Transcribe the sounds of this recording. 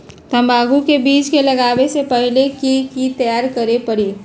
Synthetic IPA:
t̪əmbaːɡukebiːt͡ʃkeləɡaːbesepəɦilekikit̪əjaːɾkəɾepəɾi

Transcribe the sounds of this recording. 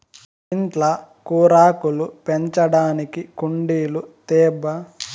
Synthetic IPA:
iɳʈlɐkuːɾaːkulupeɲt͡ʃɐɽaːnikikuɳɖiːlut̪ɛːbɐ

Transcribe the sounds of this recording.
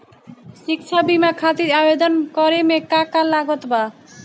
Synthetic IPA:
ʃikʃʰabimakʰat̪iɾabed̪onkɔɾemekakalaɡot̪ba

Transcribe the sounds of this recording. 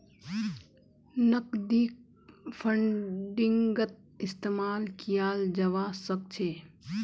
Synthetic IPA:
nəkd̪iːk̚ | pʰəɳɖiŋɡət̪̚ | ɪst̪eːmaːlkijaːld͡ʒɐʋasək̚t͡ʃʰeː

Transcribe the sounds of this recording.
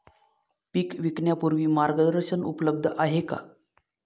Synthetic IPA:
pikʋikɳjapuɾʋiːmaɾɡəd̪əəɾɕənṵpləb̚d̪ʱəʔaɦeka̰

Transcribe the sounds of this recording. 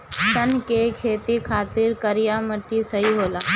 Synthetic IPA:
t̪ənkekʰeːt̪ikʰaːt̪ɪɾkɐɾijaməʈːisɐɦiɦoːlaː

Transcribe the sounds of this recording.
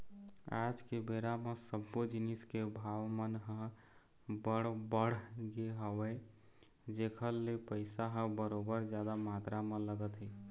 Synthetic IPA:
a̰d͡ʒkebeɾamesəbːod͡ʒiniskebʱawmənɦə̃ | bəɽbəɽ̤ɡeɦəwəɪ | d͡ʒekʰəlːepəɪsaɦə̃bəɾobəɾd͡ʒjad̪amat̪ɾamẽləɡət̪ɦi

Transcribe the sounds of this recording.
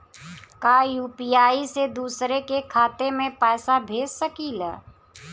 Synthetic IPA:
kaːjuːpijaːised̪uːsɾekekʰaːt̪emẽpɛːsabʱeːssəkiːlɛ̰

